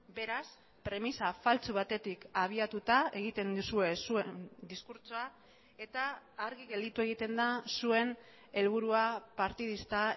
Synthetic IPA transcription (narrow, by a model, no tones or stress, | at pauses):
be̞ɾas | pɾe̞misafalt͡suβ̞at̪e̞t̪ikaβ̞iat̪ut̪ae̞ɣ̞it̪e̞nd̪usue̞suend̪iskuɾt͡soa | e̞t̪aːɾɣiɣe̞ld̪it̪ue̞ɣ̞it̪e̞nd̪asue̞n | e̞lβuɾuapaɾt̪ið̞ist̪a